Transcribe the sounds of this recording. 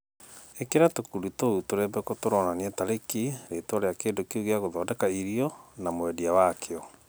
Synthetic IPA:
ekeɾatokuɾutoutoɾɛbɛkɔtoɾɔnaneɛtaɾekiɾetoɔɾeakeːndokeuɣeaɣoðɔːdɛkaiɾiɔnamwɛdiawakʰeɔ

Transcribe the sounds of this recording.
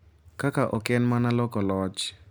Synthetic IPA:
kakaʔɔkɛnmanalɔkɔlɔt͡ʃ

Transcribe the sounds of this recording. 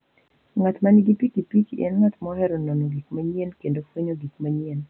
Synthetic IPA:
ŋat̪maniɡipikipit͡ʃɛ̰nŋat̪mɔhɛɾononoɡikmaɲenkendofwoɲoɡik̚maɲen

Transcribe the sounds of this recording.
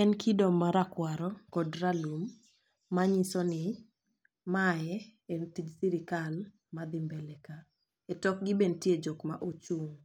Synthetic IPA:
ɛnkʰidɔmːaɾakwaɾɔkɔdralumː | aɲisɔnɪ | majɛɛntid͡ʒsiɾɪkal | mad̪ɪmbɛlɛka | ɛtɔk̚ɡɪbentjed͡ʒɔkma̰ʔot͡ʃuŋ

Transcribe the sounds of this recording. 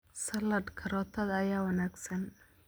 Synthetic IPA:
sɐlɐdkʰɐɾɔːt̪ʰɐðɐjaːwɐnaːɡsɐn

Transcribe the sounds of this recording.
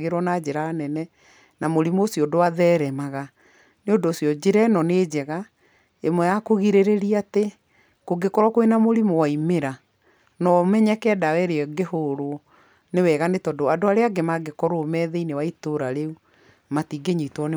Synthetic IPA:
ɣeɾwɔnad͡ʑeɾaːnɛnɛ | namoɾimosiɔdowaðɛːɾɛmaɣa | neodoːsjɔd͡ʑeɾɛnɔneːd͡ʑɛɣa | emwɛjakoɣiɾeɾeɾiate | koɡekɔɾwɔkoenamoɾimowaimeɾa | nɔmɛɲɛkɛdawɛɾeɔɡehoɾo | newɛɣanetɔdoadoaɾeaɡemaɡekɔɾoːmɛːðɛinewaitoɾaɾeu | matiɡeɲitwɔne

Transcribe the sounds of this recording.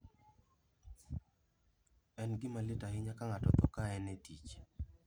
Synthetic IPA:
ɛnɡɪmalɪtaɦɪɲakaŋatɔt̪ɔkaɛnɛtit͡ʃ

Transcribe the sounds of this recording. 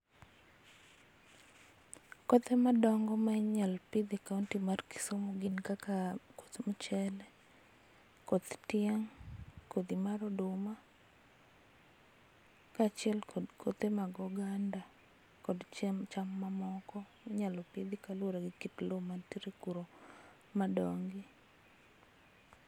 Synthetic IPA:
kɔt̪emadɔŋɡɔmaɲalpid̪ikauntimarki̥somoɡinkakako̥t̪mut͡ʃɛl | kot̪tɪɛŋkod̪imaɾɔdʊma | kat͡ʃɪɛlkʰot̪emaɡɔɡanda | kɔdt͡ʃt͡ʃamːamɔkɔ | ɲalɔpid̪ikalwoɾaɡɪkitlomantiɾekuɾo | madɔŋɡi

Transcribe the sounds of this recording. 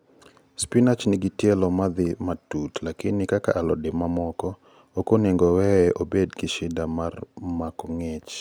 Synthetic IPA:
spinat͡ʃnɪɡɪtjɛlɔmad̪ɪmatutlakɪnɪkaka̰ʔalɔdɪmamɔkɔ | okoneŋɡɔwɛɛʔobedkɪʃɪdamarmakɔŋɛt͡ʃ

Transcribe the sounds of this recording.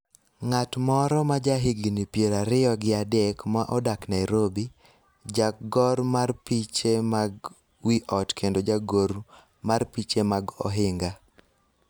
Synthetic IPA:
ŋatmɔɾɔmad͡ʒaɦɪɡnipjeɾaɾɪɔɡɪadɛkmaʔɔdaknaɛɾobi | d͡ʒaɡɔɾmarpit͡ʃemaɡ | wiʔɔtkʰendod͡ʒaɡoɾ | marpit͡ʃemaɡɔ̰ɦɪŋɡa

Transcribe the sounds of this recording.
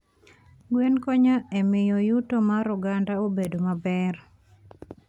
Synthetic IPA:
ɡwenkɔɲaemɪjɔjutomaɾʊɡandaobedomabɛr

